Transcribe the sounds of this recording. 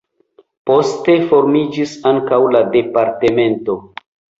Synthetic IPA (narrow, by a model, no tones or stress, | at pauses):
po̞ste̞fo̞ɾmid͡ʒisaŋkawlade̞paɾte̞me̞nto̞